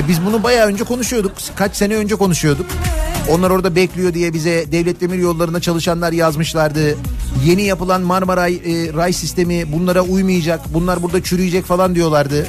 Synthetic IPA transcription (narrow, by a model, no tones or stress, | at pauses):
bizbunubajaːø̞nd͡ʒɛkʰo̞nuʃujo̞d̪uk | kʰat͡ʃse̞nɛø̞nd͡ʒɛko̞nuʃujo̞d̪uko̞nlˠaɾo̞ɾd̪abɛclʲijo̞d̪ijɛbizɛd̪ɛvlʲɛt̪lʲe̞miɾjo̞lˠːaɾɯnd̪at͡ʃʰalˠɯʃanlˠaɾjazmɯʃlˠaɾd̪ɯje̞nijapɯlˠanmaɾmaɾajɾajsist̪ʰe̞mibunlˠaɾaujmɯjad͡ʒakbunlˠaɾbuɾd̪at͡ʃʰyɾyjid͡ʒɛcfalˠand̪ijo̞lˠaɾd̪ɯ